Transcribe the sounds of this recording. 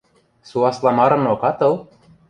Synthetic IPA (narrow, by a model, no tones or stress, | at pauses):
suɑslˠɑmɑɾɤ̆nokɑt̪ɤlˠ